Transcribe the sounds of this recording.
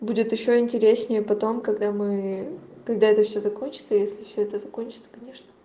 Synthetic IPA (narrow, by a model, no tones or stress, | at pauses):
budʲɪt̪jɪɕːo̞ɪnʲtʲɪɾʲesʲnʲɪjəpɐt̪o̞mkɐɡd̪amɨ | kɐɡ̚d̪aɛt̪əfsʲozɐkonʲt͡ɕɪt̪səjesʲlʲɪfsʲoɛt̪əzɐko̞nʲt͡ɕɪ̥t̪sə̥kɐnʲe̞ʂnə